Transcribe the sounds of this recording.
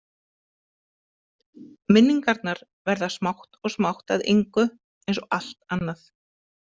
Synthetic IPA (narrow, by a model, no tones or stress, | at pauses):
mɪnːiŋkaɾt̪naɾ | vɛɾðasmawht̪ɔɣsmawht̪aðḛjŋkʏ | ejnsɔal̥t̪anːaθ